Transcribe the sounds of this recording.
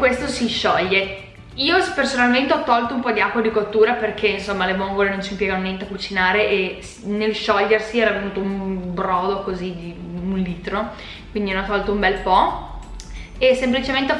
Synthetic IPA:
kwest̪osiʃɔʎːe | iːopersonalment̪eɔt̪ːɔlt̪oumpɔd̪iakːwad̪ikot̪ːuːɾaperk̟ʰeinsomːalemoŋɡolenont͡ʃimpjɛɡanonjɛnt̪eakut͡ʃinaːɾeʔesnelʃɔʎːersiɛːɾavenuːt̪oumbɾɔːd̪okozid̪iunliːt̪ɾo | kwind̪inɔt̪ːɔlt̪oumbɛlpɔ | esemplit͡ʃement̪e

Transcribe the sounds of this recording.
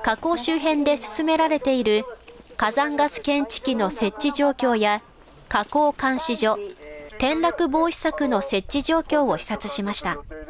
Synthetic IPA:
kako̞ːɕɨːɦẽ̞nd̪e̞sɨ̥sɨme̞ɾaɾe̞t̪e̞iɾɯ̟kazãŋɡat͡sɨ̥kẽ̞ɲt͡ɕi̥kʲino̞se̞t͡ɕːiʑo̞ːkʲo̞ːja | kako̞ːkãɰ̃ɕiʑo̞t̪ẽ̞nɾakɯ̟bo̞ːçi̥sakɯ̟no̞se̞t͡ɕːiʑo̞ːkʲo̞ːo̞çʲi̥sat͡sɨɕimaɕi̥t̪a

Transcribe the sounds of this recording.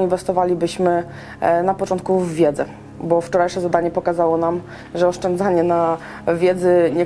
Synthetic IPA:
invɛst̪ɔvalʲibɘɕmɘ | napɔt͡ʂɔnt̪̚kuvːʲjɛd̪zɛ | bɔft͡ʂɔɾajʂɛzad̪aɲɛpɔkazawɔnam | ʐɛɔʂt͡ʂɛnd̪zaɲɛna | vʲjɛd̪zɘɲɛ

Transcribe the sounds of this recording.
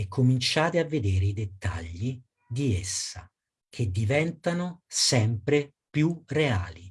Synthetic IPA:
ekːomint͡ʃaːt̪eavːed̪eːɾeid̪et̪ːa̰ʎːi | d̪iesːa̰ | k̟ʰed̪ːivɛnt̪anosɛmpɾe | pjurea̰ːli

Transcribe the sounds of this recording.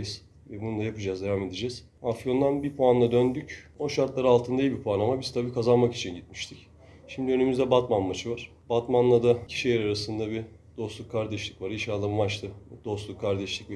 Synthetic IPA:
iz̥ | vɛbununˠajapɯd͡ʒazd̪evame̞d̪id͡ʒɛz̥ | afijo̞nd̪anbipʰoanlˠad̪ønd̪yco̞ʃaɾt̪lˠaɾɯalˠt̪ʰɯnd̪ajibipʰoanˠamabiz̥t̪ʰabiːkʰazanmaki̥t͡ʃʰinɟit̪̚mi̥ʃt̪ʰic | ʃimd̪iø̞nymyzd̪ɛbat̪manmat͡ʃʰɯvaɾ̥ | bat̪manlˠad̪acʰi̥ʃijɛɾaɾasɯnd̪abi | d̪̥o̞slˠukʰːaɾd̪ɛʃlʲicvaɾiʃaːlˠammat͡ʃlʰˠɯd̪̥o̞slˠukʰːaɾd̪ɛʃlʲicv

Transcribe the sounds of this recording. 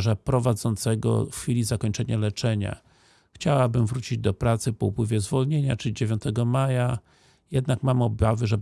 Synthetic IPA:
ʐapɾɔvad̪zɔnt̪sɛɡɔ̰fxfʲilʲizakɔɲt͡ʂɛɲalɛt͡ʂɛɲa̰ | xt͡ɕawabɘmvɾut͡ɕid͡ʑd̪ɔpɾat̪sɘpɔupwɘvʲjɛzvɔlɲeɲa̰t͡ʂɘlʲid͡ʑevʲjɔ̃nt̪ɛɡɔmaja | jɛd̪nakmamɔbavɘʐɛ

